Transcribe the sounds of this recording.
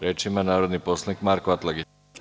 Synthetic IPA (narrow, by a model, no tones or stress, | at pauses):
ɾeːt͡ʃimanaːɾo̞d̪nipo̞slˠanikmaɾkoat̪lˠaɡi